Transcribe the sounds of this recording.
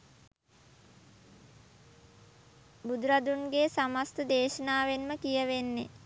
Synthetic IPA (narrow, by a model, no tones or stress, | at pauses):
bud̪uɾad̪unɡeːsamast̪əd̪eːʃənaːʋenməkijəʋenːe